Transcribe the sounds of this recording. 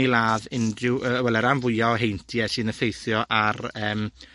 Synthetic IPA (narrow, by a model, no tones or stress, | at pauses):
ilˠaːðɪndrɪwʔəwɛlˠɛɾanvʊjaɔɦejntʰiɛsɨːnəfejθjɔʔarəːm